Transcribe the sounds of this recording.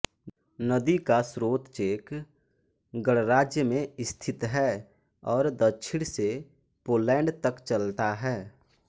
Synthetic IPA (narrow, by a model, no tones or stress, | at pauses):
nəd̪ikasɾoːt̪t͡ʃeːk | ɡəɽɾaːd͡ʒjəmẽɪst̪ʰɪt̪ɦɛː | ɔːɾd̪ət͡ʃʰɪɽ̃se | poːlɛ̃ːɳɖt̪əkt͡ʃəlt̪aɦɛː